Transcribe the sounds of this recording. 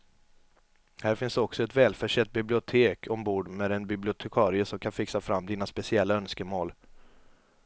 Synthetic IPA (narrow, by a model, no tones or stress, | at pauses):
hæːɾfɪnsɔksɔɛt̪vɛːlfœʂɛt̪̚ːbɪblɪʊt̪ʰeːkʰɔmbuːɖmeːd̪ɛnbɪblɪʊt̪ʰɛkʰɑːɾɪəsɔmkʰanfɪksafɾamːd̪iːnaspɛsɪɛlːaœnskəmoːl